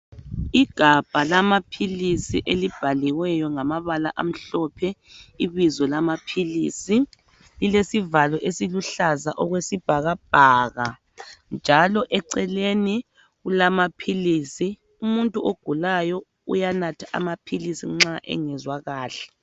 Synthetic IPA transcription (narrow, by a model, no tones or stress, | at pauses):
iɡ̥ʱab̥ʱalamapʰilisiʔelib̥ʱaliwɛjɔŋamaβala̰ʔa̰m̩ɬɔpʰɛ | iβizɔlamapʰilḭːsi | lilesivalɔʔesiluɬazaʔɔɣwesib̥ʱaɣab̥ʱaɣa̰ | nd͡ʒʱalɔʔɛǀɛleni | ɣulamapʰiliːsi | umuntʼuoɡ̥ʱulajɔ | ṵjanatʰḁʔa̰mapʰilisiŋ͡ǁaʔɛ̰ŋɛzwaɣaːɬɛ̥